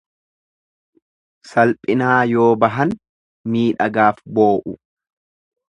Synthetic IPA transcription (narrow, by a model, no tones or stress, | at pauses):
sɐlpʼɪnaːjo̞ːbɐɦɐn | miːᶑɐɡaːfboːʔʊ